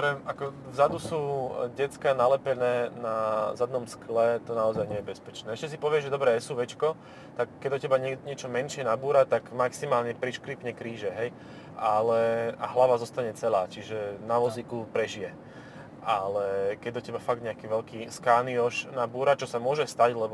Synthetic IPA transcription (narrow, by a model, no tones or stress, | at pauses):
ɾɛakɔvzad̪usuːɟɛt͡skanalɛpɛnɛːnazad̪nɔmsklɛt̪ɔnaɔzajɲɛjɛbɛspɛt͡ʃnɛːɛʃcɛsipɔʋɪɛʒʒɛd̪ɔbɾɛɛsuːʋɛt͡ʃkɔ | t̪akːɛɟd̪ɔcɛbaɲɛɲɛt͡ʃɔmɛnʃɪɛnabuːɾat̪aɡmaksimaːlɲɛpɾiʃkɾiːpɲɛkɾiːʒɛɦɛj | ʔalɛa̰ɦlaʋazɔst̪aɲɛt͡sɛlaːt͡ʃiʒɛnaʋɔzikupɾɛʒijɛ | ʔalɛkɛɟ̚d̪ɔcɛbafaɡ̚d̪ɲɛakiːʋɛʎkiːskaːniɔʃnabuːɾat͡ʃɔsamʊɔʒɛst̪aɟlɛbɔ